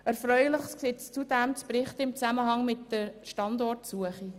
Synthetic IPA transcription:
ɛɾfɾœʏləχskseːtst͡sudɛmt͡spɾɪχtɪmt͡sæməɦɑŋmɪtdəʃtɑndɔrtsuəχi

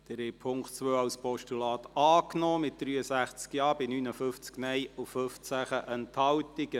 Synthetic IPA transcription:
d̥ɛɾhɛpʰʊŋktt͡sʋøːɑwspɔʃtulɑːt̪ɑːknɔːmɪt̚d̥̪ɾyːəsæχt͡skjɑːbɪnyːnəfʏft͡sknɛjʊføft͡sæχəʔənthɑwt̪ɪɡ̥ə

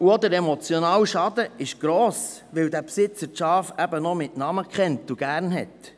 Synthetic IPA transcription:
uɔd̪əɾɛmɔt͡sjɔnɑːwʃɑd̪əɪʃɡ̥ɾɔːs | ʋɪwd̪æpsɪt͡səɾʃɑːfæbənɔmɪtnɑməkχɛntuɡ̥æːɾnɦɛ̰t̪

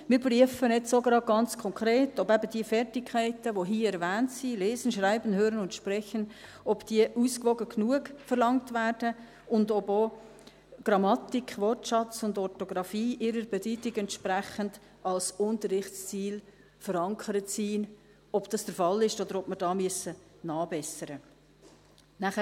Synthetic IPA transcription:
mɪːɾpryəfənɛtsoːɡɾɑːɡ̥ɑnt͡skʰɔŋkɾeːtɔbæbəd̥iəfɛrtɪkʰːæɪtəʋoɦiːəɛɾvæːntsileːzənʃraɪbənɦøːɾənʊntʃpɾɛçən | ɔbd̥iəʔuːskʋɔɡəknuəkfərlɑŋtvæːɾd̥ə | ʊndɔboː | ɡ̥ɾɑmɑtikχvɔrtʃɑt͡sʊndɔtoɡ̥ɾɑfiːʔɪɾəɾbɛtytɪɡɛntʃpɾæχənd | ɑlsʊntərɪχtst͡siːl | fəɾɑŋkʰəɾətsiːn | ɔb̥d̥ɑsd̥əɾfɑlɪʃod̪əɾɔpməɾd̥ɑːmyəsə | nɑːbɛsəɾə | næχə

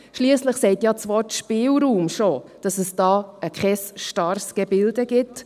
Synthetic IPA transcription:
ʃliːəsləχsɛɪtjɑt͡sʋɔtʃpɪːlɾuːmʃod̥ɑsəsd̥ɑːəkχɛsʃtɑɾsɡ̥ɛbɪldəɡɪt

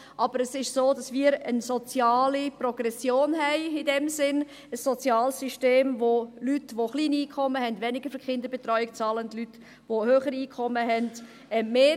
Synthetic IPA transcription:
ʔɑb̥əɾəsɪʃsoːd̥ɑsmiːɾənsot͡sjɑːliprɔɡ̥rɛsjoːnɦɛɪɪdɛmsɪn | əsːot͡sjɑːlsyʃteːmvolytʋoχliːniːkʰχɔmːəhɛndʋɛnɪɡ̥əfəkχɪndəɾbɛtɾœʏɪkt͡sɑːləndlyt | ʋohøːχəɾiiːkʰχɔməɦɛnd̥ | ɛmeː

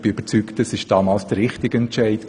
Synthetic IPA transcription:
b̥ɪøbət͡syktəsɪʃd̥ɑːmɑːlsd̥əɾʁɪχtɪɡ̥əɛnt͡ʃæɪtk

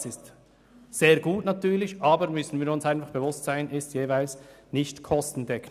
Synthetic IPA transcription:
sɪst | z̥eːɐɾɡuːtnatyːlɪçʔaːbəɾmʏsn̩viːɾʊnsaɪnfaχb̥evʊstsaɪnʔɪstjeːvaɪlsnɪçtkʰɔstn̩dɛkʰn

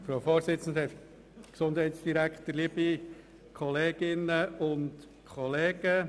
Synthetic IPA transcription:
fɾoʊfɔːɾsɪt͡sən̩d̪əɛ | ksʊndɦɛɪtsd̥iɾækχtəɾliəbi | kʰɔleːɡ̥ɪnəʊnt | kʰɔleːɡ̥ə

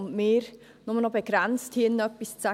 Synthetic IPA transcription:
mmɪːɾ | nɔmnɔbeɡ̥ɾɛnt͡sthɪnnœpːist͡sa

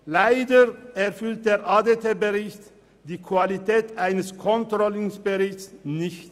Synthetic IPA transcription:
laɪdəɛɐfʏlt̚d̥eːʁʔaːdetʰeːbəʁɪçt | d̥iːkʰv̥alitʰɛːtʔaɪnəskʰɔntʁ̥ɔlɪŋsb̥əʁɪçsnɪçt

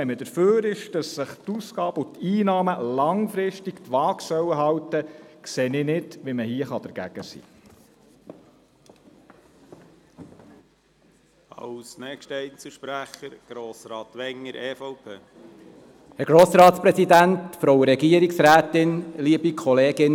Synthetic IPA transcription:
ɛmədəɾføːɾɪʃd̥ɑsːəχt̪uskɑːb̥ʊt̪iːnɑːməlɑŋfɾɪʃtiktʋɑːksœwəɦɑwtəkseːnɪnɪdʋiməhiəχɑd̥̪əɾɡ̥æɡ̥əsḭː | ɑwsnɛkʃtɛjt͡suʃpɾæχəɾɡ̥ɾoːsɾɑːt̪ʋɛŋːəɾeːfɔʊpʰeː | hɛɡ̥ɾoːsɾɑːt̪spɾɛsidæntfɾowəɾɛɡiəɾiksɾæːtɪnliəbikʰɔleːɡɪn

